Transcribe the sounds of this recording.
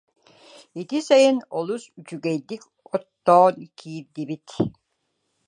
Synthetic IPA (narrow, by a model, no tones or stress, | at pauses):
it̪isajɯnɔlˠusyt͡ʃyɡɛjd̪ik | ɔt̪ːɔːnkʰiːɾd̪ibit̪